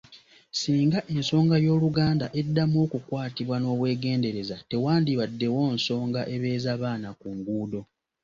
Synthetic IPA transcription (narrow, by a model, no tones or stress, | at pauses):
siːŋɡaʔe̞nso̞ːŋɡajo̞ːluɡaːndaʔe̞dːamo̞ːkukwaːtiβwano̞ːβwe̞ːɡe̞ːnde̞ɾe̞zate̞waːndiβadːe̞wo̞ːnso̞ːŋɡaʔe̞βe̞ːzaβaːnakuŋɡuːdo̞